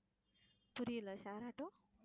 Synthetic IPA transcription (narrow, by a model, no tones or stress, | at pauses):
puɾiləɕaɾaʈo